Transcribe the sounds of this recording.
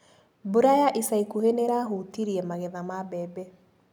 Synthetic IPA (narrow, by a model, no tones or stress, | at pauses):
boɾajaʔisaikuheneɾaɦutiɾiɛmaɣɛðamabɛbɛ